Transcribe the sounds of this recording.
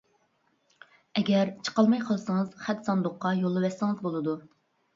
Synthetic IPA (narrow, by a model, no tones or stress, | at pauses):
ɛɡʲɛɾt͡ʃʰə̥qɑlˠmɑjqʰəlˠɨsɨŋəz̥χæt̪sɑnd̪ʊqːɑjolˠːɨwɛsːɪŋɨzbolˠɨd̪u